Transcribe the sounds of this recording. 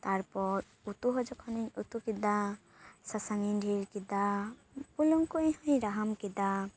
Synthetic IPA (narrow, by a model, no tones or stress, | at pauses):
t̪aɾpɔɾ | ut̪uɦɔd͡ʒɔkʰɔniɲut̪ukid̪a | sasaninɖʱiɾkid̪a | puluŋkuj̃ɦɔ̃j̃ɾaɦamkid̪a